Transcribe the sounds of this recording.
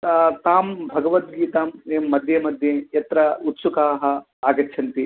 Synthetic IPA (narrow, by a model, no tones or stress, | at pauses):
t̪aːmbʱɐɡɐʋɐt̪̚ɡiːt̪aːmeːmːɐd̪ʱjɐmɐd̪ʱjejɐt̪ɾɐut̪sukaːɦɐ̆ | aːɡɐt͡ʃʰɐnt̪i